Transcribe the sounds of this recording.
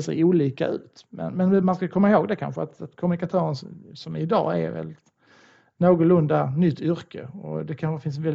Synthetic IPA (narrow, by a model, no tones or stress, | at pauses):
sɛ̰juːliːka̰ʉ̟̰ːt̪mɛ̰nmɛnmanskajɵkʰɔmːaɪɦoːɡd̪ɛkʰa̰nɧəat̪at̪kʰɔmɵnɪkat̪ʰœːɾənssɔmɪd̪ɑ̰ːæ̰ɾvɛ̰ld̪ɪt̪ | noːɡʊlɵnd̪anʏt̪ʰːʏɾkəɔ̰d̪ɛkʰanɧəfɪns̬nvɛl